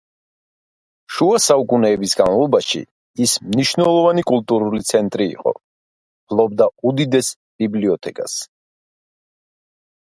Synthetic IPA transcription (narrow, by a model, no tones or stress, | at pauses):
ʃuasaukʼunɛːbisɡanvavlˠɔbaʃḭ | ismniʃnɛlˠɔvanikʼulˠt̪ʼuɾulit̪sʰɛnt̪ʼɾḭːqʼɔ̰ | pʰlˠɔb̚d̪aud̪id̪ɛs | b̥ibliɔt̪ʰɛkʼa̰s